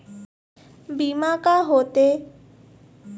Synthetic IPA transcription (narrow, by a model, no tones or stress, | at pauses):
biːmakaɦoːt̪e